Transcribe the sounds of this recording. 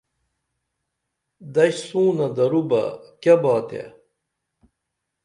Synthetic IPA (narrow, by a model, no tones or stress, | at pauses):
d̪ɐɕsũːnɐd̪ɐɾubɐ̰kɐbaːt̪ḛ